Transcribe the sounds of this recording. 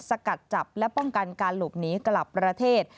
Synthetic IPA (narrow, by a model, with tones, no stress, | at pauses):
sa˧ka˨˩t̪̚t͡ɕa˨˩p̚lɛ˦˥pɔ˥˩ŋka˧nkaː˧nluː˨˩p̚niː˦˥kla˨˩pːɾa˧t̪ʰeː˥˩t̪̚